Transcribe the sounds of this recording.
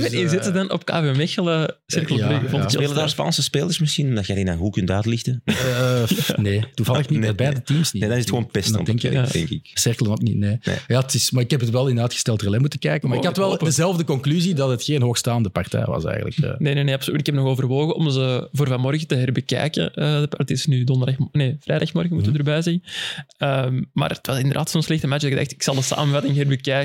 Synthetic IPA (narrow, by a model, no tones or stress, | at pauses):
ɛizɪtzədɑnɔ̰pka̰ːvemɛxələsɪrkəlˠəvɔtɪədaːspɑ̰nsəspeːlərsmɪsxinɔmdɑtxɛdinanɦukʏntœːtlɪxtə | neːtuvɑlˠəxnin̚bɛːdətiːmsniedɑnɪzətxəoːnpɛsndɑ̰mdɛŋkjdɛ̰ŋkɪsɪrkəlˠənoknḭtneːḛjaːtɪsmaːɪkhɛpətʋɛlˠɪndəɾdaːtxəstɛlˠtrəlɛmutəkɛːkəmaːɪkhɑtʋɛlˠdəzɛlˠvdəkɔŋklyzidɑtɦətxeːnɦoːxstaːndəpɑrtɛ̰jʋɑ̰sɛ̰ːɣə̰lə̰kə̰ːneːneːneːɑpsolytɪkɛp̚nɔxoːvərʋoːɣəɔmzəvoːrvɑnmɔrɣətəɦɛrbəkɛ̰ːkə̰əːəpətɪsnydɔndərdaxneːv̥rɛːdaxmɔrɣəmutəʋədərbɛːjzɛnəmma̰ːrət̪ʋɑzɪndərda̰ːtsonslɛxtəmat͡ʃdɡəda̰xtɪksɑlˠdəsa̰ːmənvɑtɪŋɦɛrbəkɛːk